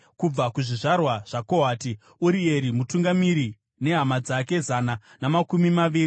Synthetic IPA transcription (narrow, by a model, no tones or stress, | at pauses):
kub͡vakuʐiʐarwaʐ̥akoɦaːti | uɾieɾimutuŋɡamiɾi | ne̞ɦamad͡zake̞zana | namakumimaʋiːri